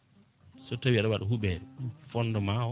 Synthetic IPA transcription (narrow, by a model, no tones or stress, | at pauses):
sɔtawiaɗɔwaɗɔɦuɓɛɾɛfɔndɔmawɔ